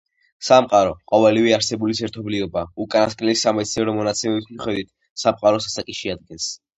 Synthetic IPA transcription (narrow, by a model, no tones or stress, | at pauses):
samqʼaɾɔqʼɔvɛlivɛaɾsɛbulisɛɾt̪ʰɔbliɔbaukʼanaskʼlɛlisamɛt̪sʰnɛɾɔmɔnat̪sʰɛmɛbismiχwɛd̪wit̪̚ʰ | samqʼaɾɔsasakʼiʃɛad̪̚ɡɛns